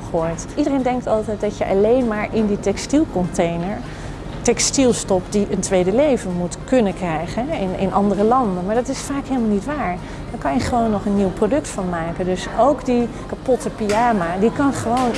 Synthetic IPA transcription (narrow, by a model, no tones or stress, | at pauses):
χoːjtʔidərejndɛŋk̚tɑlˠtɛjt̚dɑtjəʔɑlejnmaːɹɪnditɛkstilˠkɔntejnəɹ | tɛkstilˠstɔpd̥iʔəntʋejdəlejvənmutkɵnəkrɛjχənɦɛɪnɪ̰nʔɑndərəlɑndənmaːɹdɑtɪsfaːkɦeɪlˠmalˠnitʋaːɹ | dəɹkɑnjəχəʋownːɔχənːiwprodɵktfɑnmaːkəndɵsʔowkdi | kapɔtəpiaːmadikɑnχəʋown